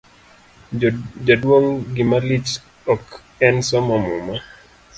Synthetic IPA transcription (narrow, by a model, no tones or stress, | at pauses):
d͡ʒadwoŋɡɪmalit͡ʃ | ɔk | ɛnsɔmɔmṵma